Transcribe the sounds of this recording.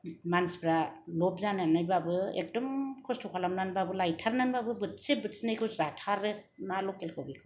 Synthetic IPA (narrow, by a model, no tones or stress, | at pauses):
mansbʰɾalɔp̚zananajbabɯḛk̚dɔmkʰɔstʰɔkʰalamnanbabɯlajtʰaɾnanbabɯbɯtsebɯtsnajkʰɯzatʰaɾɯ | nalɔkelkʰɯwbikʰɯw